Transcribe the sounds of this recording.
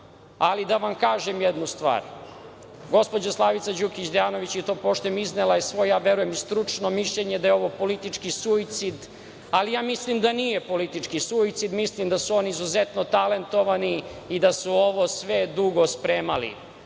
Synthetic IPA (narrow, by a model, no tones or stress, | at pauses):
alid̪aʋamkaːʒemjed̪nust̪ʋa̰ːɾ | ɡo̞spo̞d͡ʑaslˠaʋit̪sad͡ʑukit͡ɕd̪ejaːno̞ʋit͡ɕit̪oːpoʃt̪ojemiznelˠajesʋo̞jjaːʋeɾujemist̪ɾut͡ʂnomiʃʎeɲed̪ajeo̞ʋo̞po̞lit̪it͡ʂkisuit̪sid̪ | alijaːmislimd̪anijepo̞lit̪it͡ʂkisuit̪sid̪mislimd̪asuo̞niizuzet̪not̪ale̞nt̪o̞ʋaniid̪asuoʋo̞sʋed̪uɡo̞spɾeːmalḭ